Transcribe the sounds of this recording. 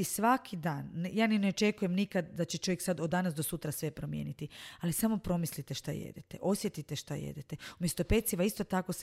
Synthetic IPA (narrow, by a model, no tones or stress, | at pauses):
isʋakʰid̪aːnːjaːnineo̞t͡ʃe̞kuje̞mnikad̪d̪at͡ɕe̞t͡ʃojeksad̪od̪ːanasd̪o̞sut̪ɾasʋe̞pɾo̞mjḛnit̪ialisamo̞pɾo̞mislit̪eʃt̪a̰jḛd̪et̪eʔo̞sje̞t̪it̪eʃt̪ajḛd̪et̪eumjest̪o̞pet̪siʋaist̪o̞t̪ako̞s